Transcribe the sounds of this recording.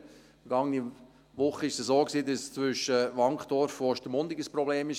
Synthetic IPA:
fɾɡɑŋni | ʋʊχəɪʃsəsoːksiːdɑst͡sʋʏʃːəʋɑŋkχd̥ɔɾfoʃtəmʊndɪɡəspɾɔbleːmɪʃ

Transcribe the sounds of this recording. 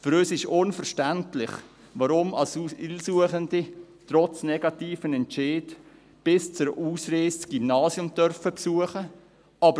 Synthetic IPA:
fʏɾøːsɪʃʊnfəɾʃtæntlɪχ | ʋaɾʊma̰lsɪlsuəχənditrɔt͡snɛɡɑtiːfənɛnt͡ʃeːd | b̥ɪst͡sʊɾʔuːsreːstɡ̥imnɑːsjʊmtœɾfəpsuəχə | ʔɑbə

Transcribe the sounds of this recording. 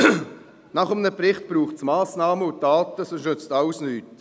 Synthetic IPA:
nɑχəmnəprɪχt̚b̥ɾuːχtsmaːsnɑːməʊt̚d̥aːtəsoʃɵt͡stɑʊsnyːt

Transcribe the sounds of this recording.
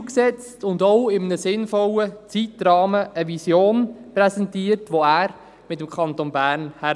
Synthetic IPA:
ksɛt͡stʊndɔʊɪmənəsɪnfɔlət͡sitɾɑːməʔəʋisjoːnpɾɛsɛntiəɾtʋoæːɾ | mɪtəmkʰχɑntonbæːɾnhæ

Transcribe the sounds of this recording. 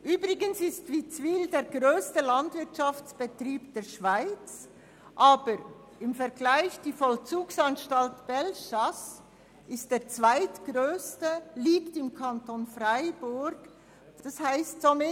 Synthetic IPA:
ʔyːbɾɪɡənsɪstviːt͡sviːldeːɐɾɡʁøːstəlantvɪɐtʃaft͡sb̥ətriːpd̥eːʃv̥aɪt͡s | ʔaːb̥əɾ | ɪmfɛɐɡlaɪçd̥iːfɔlt͡suːksanʃtaltb̥ɛlʃas | ɪst̚d̥eːɐt͡sv̥aɪtɡ̥ʁøːstəliːktɪmkʰantonfraɪbʊɾɡ̥ | d̥ashaɪstsomɪ

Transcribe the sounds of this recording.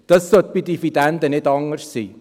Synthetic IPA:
d̥əsot̪̚bidifidɛndənɛtɑŋərssi

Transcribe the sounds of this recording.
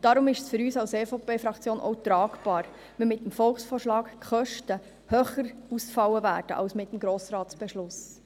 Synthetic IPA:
d̥ɑɾʊmɪʃsfɵɾyːsɑʊsefopeːfɾɑkt͡sjoːnʔɔ̰ʊt̪ɾɑːkbɑːɾ | mimɪt̚ːəmfɔlχsfɔːrʃlɑːkχœʃtə | høːχəɾusfɑwːəvæːɾd̥ə̰ʔɑ̰ʊsmɪt̪ːəmɡɾoːsɾɑːtsb̥ɛʃlʊs

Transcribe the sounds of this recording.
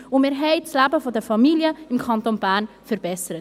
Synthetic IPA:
ʊnmeːɾɦɛɪt͡slæbəfɔdəfɑmiljəɪmkʰɑntonbæːn | fəɾbɛsəɾət

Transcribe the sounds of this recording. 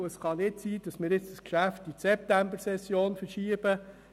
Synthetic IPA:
əsχɑnɪtsiːd̥ɑsmɪːɾɪt͡sd̥əskʃæftisɛp̚tæmbəɾsɛsjoːnfəɾʃiəb̥ə

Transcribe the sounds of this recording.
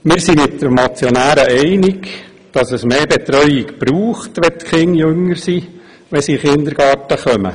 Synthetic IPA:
mɪːɾsimɪtːəmɑt͡sjonæːɾəʔɛɪnɪɡ | d̥ɑsɛsmeːbɛt̪ɾœʏɪkb̥ɾuːχtʋɛt̪kχɪŋjɵŋːəɾsi | ʋɛsiχɪnd̪əɾɡ̥ɑːtəχœmə̰

